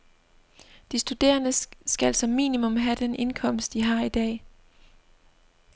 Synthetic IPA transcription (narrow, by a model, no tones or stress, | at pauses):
d̥isd̥ud̥e̝̰ːɐnəsɡ̥æl̰sɒ̽mːḭːnimɔ̽mɦæd̥ene̝nkʰɒ̽m̰sd̥iɦɑ̈id̥ɛ̰ː